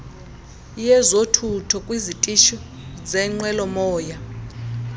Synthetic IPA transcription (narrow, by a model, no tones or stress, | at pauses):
jɛzotʰutʰɔkʼwizitʼiʃɔ | zɛŋ͡ǃwɛlɔmɔːja